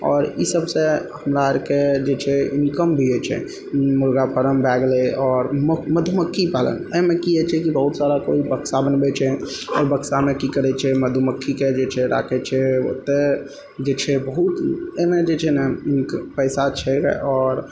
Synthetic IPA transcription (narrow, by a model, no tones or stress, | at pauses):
ɔːɾḭsəbsẽhəmɾaɾked͡ʒet͡ʃʰɛinkəmbʱiɛt͡ʃʰɛ̰ | muɾɡapəɾəmbʱɛɡleɔːɾməməd̪ʱuməkʰːipalə̰nemekiɛt͡ʃʰɛkibəɦut̪saɾakoibəksabənbɛt͡ʃʰɛ | ɔ̰ːɾbəksamekikəɾɛt͡ʃʰɛməd̪ʱuməkʰːiked͡ʒet͡ʃʰɛɾa̰kʰɛt͡ʃʰɛo̰t̪ːe | d͡ʒet͡ʃʰɛbəɦut̪med͡ʒet͡ʃʰɛnɛnkpəsat͡ʃʰɛɔːɾ